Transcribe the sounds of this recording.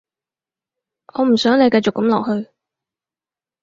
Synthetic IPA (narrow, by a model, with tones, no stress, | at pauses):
ʔɔː˨˧m̩˨˩sœː˨˥ŋle˨˧jkɐ˧jt͡sʊ˨kːɐ˨˥mlɔː˨k̚hɵ˧ɥ